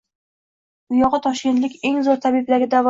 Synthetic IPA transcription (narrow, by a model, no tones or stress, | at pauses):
ʊjɒʁɨt̪ʰɒʃkʲent̪lɪkʲe̞ŋzoɾt̪ʰabɪblaɡʲɪd̪avɒ